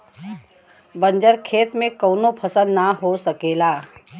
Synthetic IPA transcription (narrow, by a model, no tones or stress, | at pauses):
bə̃ɲd͡ʒəɾkʰeːt̪mẽkoːnopʰɐsənːaɦosəkeːlaː